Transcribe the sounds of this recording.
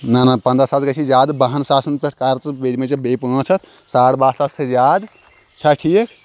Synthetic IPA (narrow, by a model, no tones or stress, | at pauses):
nanapɐnd̪ɾɐsaːd͡ʒkət͡ʃʰid͡ʒaːd̪baɦənsaːsənpeʈʰkaɾt͡ʃbed̪met͡ʃɐbepːə̃t͡ʃʰɐt̪ʰ | saɽbaːsast̪ʰed͡ʒad̪ | t͡ʃʰɐʈʰijek